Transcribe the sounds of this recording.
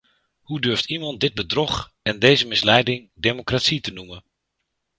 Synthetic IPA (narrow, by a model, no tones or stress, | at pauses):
hudøɹftimɑnt̚dɪd̚bədrɔχ | ɛndejzəmɪslɛjdɪŋdemokratsitənumən